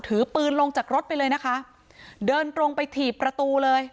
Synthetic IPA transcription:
t̪ʰɯː˩˦pɯː˧nlo˧ŋt͡ɕaː˨˩k̚ɾo˦˥t̪̚pa˧jlɤː˧jna˦˥kʰa˦˥ | dɤː˧nt̪ɾo˧ŋpa˧jt̪ʰiː˨˩pːɾa˧t̪uː˧lɤː˧j

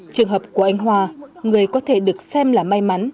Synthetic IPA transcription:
t͡ɕɨ˨˩əŋɦə˨˩p̚ku˧˩əʔa˧jŋ̟ɦwaː˧ŋɨ˨˩əjkɔ˨˦t̪ʰe˧˩ɗɨ˨˩ək̚sɛ˧mlaː˨˩ma˧jma˨˦n

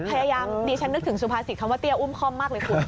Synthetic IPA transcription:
pʰa˧jaː˧jaː˧mdiː˧t͡ɕʰa˦˥nːɯ˦˥k̚t̪ʰɯ˩˦ŋsu˧pʰaː˧si˨˩kʰa˧˦mwaː˧˥˩i˧˥˩əʔu˥˩˨mkʰɔː˥˩mːaː˥˩k̚lɤː˧jkʰuː˧˩

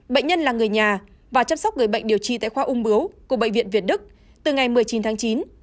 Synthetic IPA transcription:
ɓə̰˧˨ŋ̟ɲə˧nlaː˨˩ŋɨ˨˩əjɲaː˨˩ | vaː˨˩t͡ɕa˧msɔ˦˥k͡p̚ŋɨ˨˩jɓə̰˧˨ŋ̟̚ɗi˨˩əwt͡ɕḭ˧˨t̪a̰ː˧˨jxwaː˧ʔʊ˧ŋ͡mɓɨ˨˦əwku˧˩əɓə̰˧˨ŋ̟vḭ˧˨ənvi˨˩ət̚ɗɨ˦˥k̚ | t̪ɨ˨˩ŋa˨˩jmɨ˨˩əjt͡ɕi˨˦nt̪ʰaː˨˦ŋt͡ɕi˨˦n

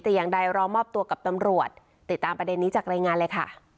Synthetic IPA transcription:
t̪ɛː˨˩jaː˨˩ŋda˧jɾɔː˧˥mɔː˥˩p̚t̪u˧ɐka˨˩p̚t̪a˧mɾu˨˩ət̪̚ːi˨˩t̪ːaː˧mpɾa˧de˧nːiː˦˥t͡ɕaː˨˩k̚ɾaː˧jŋaː˧nlɤː˧jkʰa̰˥˩

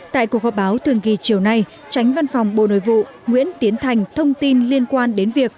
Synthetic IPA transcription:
t̪a̰ː˧˨ku˨˩əkhɔ˨˩ɓaː˨˦wt̪ʰɨ˨˩əŋki˨˩t͡ɕi˨˩əwna˧j | t͡ɕa˨˦jŋ̟va˧nfɔ˨˩wŋ͡mɓo̰˧˨no̰˧˨jvṵ˧˨ | ŋwḭ˧˥ənt̪i˨˦ənt̪ʰa˨˩jŋ̟t̪ʰə˧wŋ͡mt̪i˧nli˧ənkwaː˧nɗe˨˦nvi˨˩ək̚

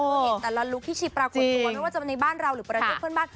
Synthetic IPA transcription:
ʔo˧˩ɛː˨˩la˧lu˦˥k̚t̪ʰiː˥˩t͡ɕʰi˨˦˩pɾaː˧kot͡ɕt̪ːu˧m˥˩waː˥˩t͡ɕa˨˩˧nːa˧jbaː˥˩nɾa˧wɾɯː˩˦pɾaː˧t͡ɕeː˥˩pʰɯ˥˨nbaː˥˩n

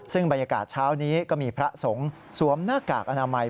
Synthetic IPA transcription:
sɯ˥˩ŋba˧njaː˧ka̰ː˨˩t̪̚t͡ɕʰaː˦˥wniː˦˥kɔː˥˩miː˧pʰɾa˦˥so˩˦ŋ | su˩˦əmnaː˥˩kaː˨˩k̚ʔa˧naː˧ma˧j

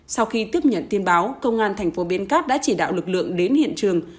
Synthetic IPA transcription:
sa˧wxi˧t̪i˦˥əp̚ɲə̰˧˨nt̪i˧ənɓaː˨˦wkə˧wŋ͡mʔaː˧nt̪ʰɛ˨˩jŋ̟fo˨˦ɓi˧ənkaː˦˥t̚ɗa̰ː˧˥t͡ɕi˧˩ɗa̰ː˧˨wlɨ˨˩k̚lɨ̰˧˨əŋɗe˨˦nhḭ˧˨ənt͡ɕɨ˨˩əŋ

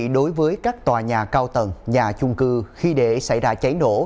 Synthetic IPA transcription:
ɗo˨˦jvəː˨˦jkaː˦˥k̚t̪waː˨˩ɲaː˨˩kaː˧wt̪ə˨˩nɲaː˨˩t͡ɕʊ˧ŋ͡mkɨ˧xi˧ɗe˧˩sa̰˧˩jzaː˧t͡ɕa˨˦jno̰˧˩

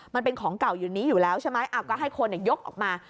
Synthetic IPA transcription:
ma˧npe˧nkʰɔː˩˦ŋka˨˩wjuː˨˩niː˦˥juː˨˩lɛː˦˥wt͡ɕʰa˥˩ma˦˥jʔa˨˩kːɔː˥˩ɦa˥˩jkʰo˧nːɛ˨˩jo˦˥k̚ʔɔ̰ː˨˩k̚maː˧

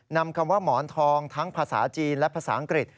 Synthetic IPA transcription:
na˧mkʰa˧mwaː˥˩mɔː˩˦nt̪ʰɔː˧ŋt̪ʰa˦˥ŋpʰaː˧sa̰ː˩˦t͡ɕiː˧nlɛ˦˥pʰaː˧saː˩˦ʔa˧ŋkɾi˨˩t̪̚

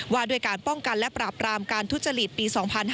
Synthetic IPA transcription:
waː˥˩du˧˥əjkaː˧npɔ˥˩ŋka˧nlɛ˦˥pɾaː˨˩p̚ɾaː˧mkaː˧nt̪ʰu˦˥t̪̚t͡ɕːa˧ɾi˨˩t̪̚piː˧sɔː˩˦ŋpʰa˧n

